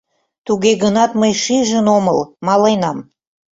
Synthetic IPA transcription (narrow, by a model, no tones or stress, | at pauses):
t̪uɣeɣənɑt̪məjʃiʒənoməlmɑlɑjnɑm